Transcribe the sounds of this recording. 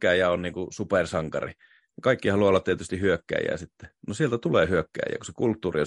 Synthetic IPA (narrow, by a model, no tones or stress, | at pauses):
æijæonniːŋkusupersɑŋkɑ̰rḭ | nɑkɑikːihɑluɑolːɑt̪t̪iet̪yst̪ihyøkːæ̰ijæ̰ːsit̪ːe̥nosielt̪æt̪uleːhyøkːæ̰ːjæ̰ːkusekult̪ːuːrio